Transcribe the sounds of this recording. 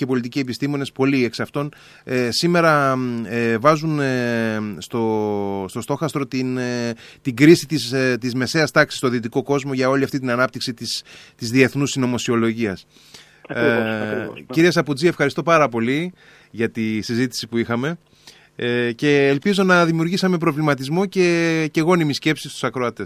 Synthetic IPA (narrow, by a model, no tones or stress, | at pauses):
ce̞po̞lit̪̬icie̞pist̪imo̞ne̞spo̞lie̞ksɐft̪o̞n | sime̞ɾɐ | vɐzun | st̪o̞st̪o̞st̪o̞xɐst̪ɾo̞t̪int̪iɡɾisit̪ist̪izme̞se̞ɐst̪ɐksi̥st̪o̞ðit̪iko̞ko̞zmo̞ʝɐo̞liɐft̪it̪̬inɐnɐp̚t̪iksit̪ist̪izðie̞θnusino̞mo̞sio̞lo̞ʝiɐs | ciɾies̬ɐpud͡zie̞fxɐɾist̪opɐɾɐpo̞li | ʝɐt̪isizit̪i̥sipuixɐme̞ | ce̞ːlpizo̞nɐðimiuɾʝisɐme̞p̬ɾo̞vlimɐt̪izmo̞ce̞ce̞ɣo̞nimisce̞psist̪u̥sɐkɾo̞ɐt̪e̞s